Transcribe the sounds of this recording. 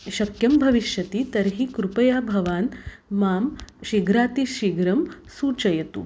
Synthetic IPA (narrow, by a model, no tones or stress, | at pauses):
ʃɐkjɐmbʱɐʋiʃjɐt̪it̪ɐɾɦikɾupɐjaːbʱɐʋaːn | maːmʃiɡɾaːt̪iʃiɡɾɐmsuːt͡ʃɐjɐt̪ṵ